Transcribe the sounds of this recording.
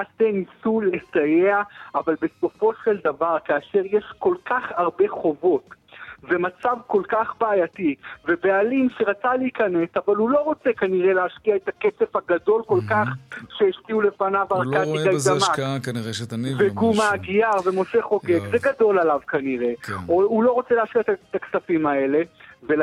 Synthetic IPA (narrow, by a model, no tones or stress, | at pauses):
astenisule̞sajeaavalbe̞so̞fo̞ʃe̞ld̪avaʁkaaʃe̞ʁjeʃko̞lkaχaʁbe̞χo̞vo̞tve̞mat͡savko̞lkaχbaːjative̞bealimʃeʁat͡saleikane̞savalulo̞ʁo̞t͡se̞kaniʁe̞leaʃkiaetaket͡sefhaɡado̞lko̞lkaχʃeeʃkiule̞fanavaʁkat̪ikad̪ama | veɡumaɡijaʁve̞mo̞ʃe̞χo̞ɡeɡzeɡado̞lalavkaniʁe̞oulo̞ʁo̞t͡seleaʃkiaetat̪aksafimae̞le̞ve